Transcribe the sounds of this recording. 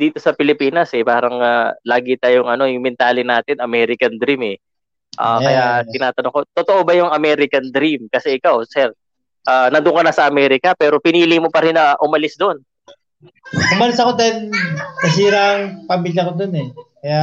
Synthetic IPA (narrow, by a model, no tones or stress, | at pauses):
d̪iːt̪o̞sɐpɪlɪpiːnɐsɛpaːɾɐŋalaːɡɪt̪ajʊŋʔɐno̞jʊŋmɛnt̪aːlɪnaːt̪ɪnɐmɛːɾɪkɐnd̪ɾimɛ | ʔa̰ːkɐjat̪ɪnaːt̪ɐnoŋkot̪ot̪o̞ʔo̞bɐjʊŋɐmɛːɾɪkɐnd̪ɾimkɐsɛʔɪkawsɛɾ | ʔaːnɐnd̪ʊŋkɐnɐsɐʔɐmɛːɾɪkɐpɛːɾo̞pɪniːlɪmopɐɾɪnɐʔʊmɐlɪsd̪oon | ʔʊmɐlɪsɐkod̪ɐnnɐs̬iːɾaɐŋpɐmiːljɐkod̪onɛkɐja